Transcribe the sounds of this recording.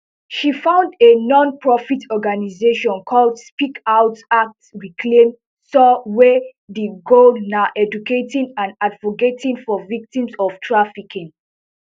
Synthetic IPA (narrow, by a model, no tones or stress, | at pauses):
ʃifãʊ̃ndenɔ̃npɹɔfitʰɔɡanizeʃɔ̃nkʰɔldspikaʊtak̚tsɹikʰlẽm | sɔwɛ | deɡolnaʔɛd͡ʒuketĩnãndadvoketʰĩnfɔvik̚tĩmsɔv̥tʰɹafikĩŋ